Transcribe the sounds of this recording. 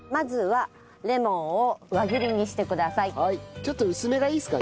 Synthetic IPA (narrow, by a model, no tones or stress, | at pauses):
mazɨβa | ɾe̞mõ̞oβaɡɯɾʲiɲ̟iɕi̥t̪e̞kɯ̟d̪asaihait͡ɕo̞t̪ːoɯ̟sɨme̞ɡaiːsɨ̥ka